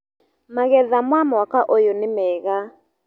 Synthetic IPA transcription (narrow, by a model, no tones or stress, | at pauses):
maɣɛðamwamɔakaʔojonɪmɛɣa